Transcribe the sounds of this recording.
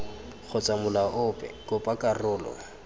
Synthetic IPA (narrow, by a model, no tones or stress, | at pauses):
k͡xʰɔt͡sʼamʊlaʔʊːpʼɛ̰kʼʊpʼakʼarʊːlɔ̰